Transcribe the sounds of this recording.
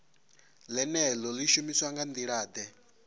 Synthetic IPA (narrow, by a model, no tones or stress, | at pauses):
lɛnɛlɔliʃumiswaŋɡand̪iɺaːd̪ɛ